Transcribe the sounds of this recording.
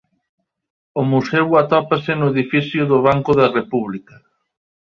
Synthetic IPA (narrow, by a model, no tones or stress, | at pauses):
ʊmusɛwat̪ɔpasɪnʊeðifiθjʊðʊβ̞aŋkʊðɐrepuβlikɐ